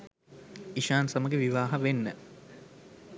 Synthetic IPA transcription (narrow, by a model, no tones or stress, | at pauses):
iʃaːnsɐməɡeʋiʋaːɦɐʋenːə